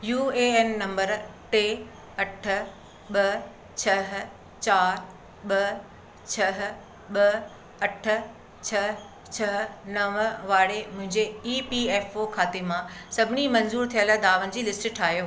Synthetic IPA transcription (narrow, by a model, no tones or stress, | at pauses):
juːeɛːnːɐ̃mbəɾʈeː | ɐʈʰʊ̆ | ɓɐ | t͡ɕʰɐɦ | t͡ɕaːɾ | ɓɐ | t͡ɕʰɐɦ | ɓɐ | ɐʈʰʊ̆ | t͡ɕʰɐ | t͡ɕʰɐɦnɐʋʋaːɽemʊ̃ɦɪ̃ɲd͡ʑeiːpieːfokʰaːt̪emãsɐbʱɪnimɐ̃nzuːɾt̪ʰijələd̪aːʋənɪ̆d͡ʑiːlɪsʈ̆ʈʰaːɦjoː